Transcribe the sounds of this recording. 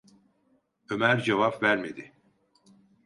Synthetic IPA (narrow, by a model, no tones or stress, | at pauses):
ø̞mæɾd͡ʒevapvæɾmed̪i